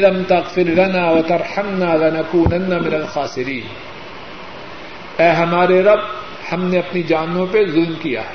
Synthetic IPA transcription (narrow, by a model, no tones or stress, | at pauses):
lɐmt̪ɐɣfɪɾlɐnaːwɐt̪ɐɾˤħɐmnaːlɐnɐkuːnɐnːamɪnɐlxaːsɪɾiːn | ɛːɦɐmaːɾeɾɐb̚ | hɐmneɐpnid͡ʒaːnõpezʊlmkija̰ː